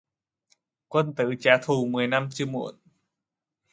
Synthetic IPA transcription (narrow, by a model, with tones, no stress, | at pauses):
kwə˧nt̪ɨ̰˧˥t͡ɕaː˨˦t̪ʰu˨˩mɨ˨˩əjna˧mt͡ɕɨ˧əmṵ˧˨˦ən